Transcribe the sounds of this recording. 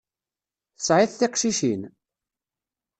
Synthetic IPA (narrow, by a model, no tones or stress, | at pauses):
θəsʕɪθθɪqʃiʃin